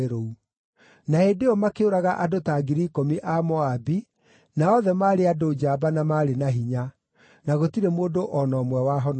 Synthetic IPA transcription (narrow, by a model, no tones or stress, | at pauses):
ɾou | naedeɔmakeoɾaɣaʔadotaɡiɾikomiʔamɔabi | naɔðɛmaːɾeadod͡ʒaːbanamaːɾenaɦiɲa | naɣotiɾemoːdoʔɔnɔːmwɛwaɦɔn